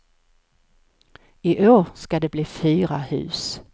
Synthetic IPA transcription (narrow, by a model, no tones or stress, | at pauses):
ɪʔoːɾskad̪ɛbliːfyːɾahʉ̟̰ːs